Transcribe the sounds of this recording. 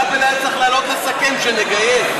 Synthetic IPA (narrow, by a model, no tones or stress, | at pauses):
belataχlalot̪lesakemʃeneɡaje